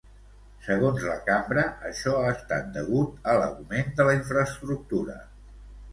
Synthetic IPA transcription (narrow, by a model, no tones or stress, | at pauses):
səɣ̞onzləkambɾəəʃɔaːst̪at̪̚d̪əɣ̞ut̪ələ̰ɣumend̪ələiɱfɾəːst̪ɾuk̚t̪uɾə̰